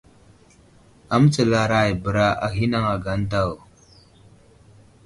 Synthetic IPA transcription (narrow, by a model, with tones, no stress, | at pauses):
a˦m˦t͡sə˨la˨ɾa˦jbə˨ɾa˦ʔa˨ɦi˦na˦ŋa˨ɡa˨˦n˦ta˦˨w